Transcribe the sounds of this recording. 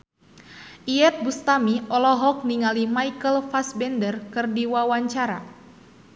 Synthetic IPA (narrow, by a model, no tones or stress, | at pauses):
ʔiɛt̪̚bust̪amiɔlɔɦɔk̚niŋalimajkəlfasbɛndərkɨrdiwawaɲt͡ʃaɾa̰